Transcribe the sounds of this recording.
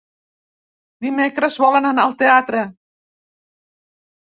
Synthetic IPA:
d̪imekɾəsβɔlənanalˠt̪eat̪ɾə

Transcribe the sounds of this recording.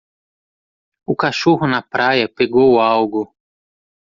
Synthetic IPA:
ukaʃuɦʊnapɾajapeɡowawɡʊ

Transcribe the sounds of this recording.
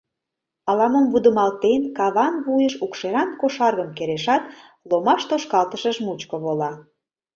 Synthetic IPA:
ɑlɑməmvud̪əmɑlt̪enkɑβɑnβujəʃukʃeɾɑnkoʃɑrɣəmkeɾeʃɑt̪ | lomɑʃt̪oʃkɑlt̪əʃəʃmut͡ɕkoβolɑ

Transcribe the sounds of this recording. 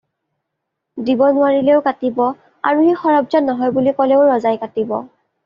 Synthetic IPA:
dibɔnʊwaɹilɛʊkatibɔ | a̰ɹuxixɔɹɔb̚zɔnːɔɦɔjbulikɔlɛʊɹɔzajkatibɔ̰

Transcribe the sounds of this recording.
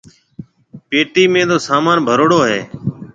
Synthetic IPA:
peːʈiːmẽːd̪oːsaːmaːnbʱəɾoːɽoːɦḛː

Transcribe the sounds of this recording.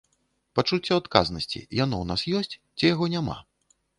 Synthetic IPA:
pat͡ʂut͡sʲːɔat̪ka̰znɐsʲt͡sʲḭjanɔwnasjɔsʲt͡sʲ | t͡sʲijaɣɔnʲama̰

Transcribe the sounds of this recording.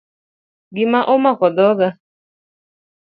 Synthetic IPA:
ɡɪmaʔomakɔdɔɡa

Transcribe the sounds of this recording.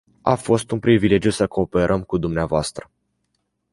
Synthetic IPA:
a̰fo̞st̪unpɾivile̞d͡ʒjusəko̞ːpe̞ɾʔəmkud̪umneavoast̪ɾə

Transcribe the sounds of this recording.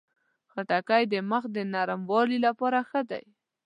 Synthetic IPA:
xaʈakajd̪əməxd̪ənaɾəmwɑlilapɑɾaxəd̪a̰j

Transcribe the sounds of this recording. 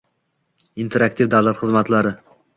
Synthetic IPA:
int̪ʰe̞ɾak̚t̪ivd̪avlˠat̪χɨzmat̪laɾɪ

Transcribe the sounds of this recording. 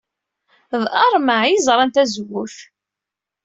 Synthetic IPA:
ðɑɾˤmaʕjizˤɾˤɑnt̪æzəwuθ

